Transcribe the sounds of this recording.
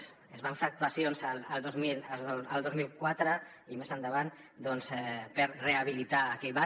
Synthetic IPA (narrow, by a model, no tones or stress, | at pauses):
s | ezβaɱfeak̚t̪uasionzaləlˠd̪ozmilaoalˠd̪ozmilˠkwat̪ɾə | imezand̪əβan | d̪ɔnzɛpeɾreaβ̞ilit̪aːkɛʎβa